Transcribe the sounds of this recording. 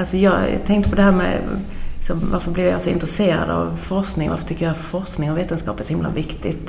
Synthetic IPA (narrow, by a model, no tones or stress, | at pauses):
ɑlsɔjɑ̰ːt̪ʰɛŋkt̪əpɔd̪ɛhæːɾmɛ̰ | ɪksɔmʋaɾfɔɾblɪɾjsɔɪnt̪ɾəseːɾɑ̰d̪ɑ̰ʋfɔɾsknɪŋʋa̰ɾfɔt̪ʏkːjhæfɔɾsknɪŋɔʋeːt̪ənskɑ̰ːpæɾsʊhɪmla̰ʋɪkt̪ɪ̰t̪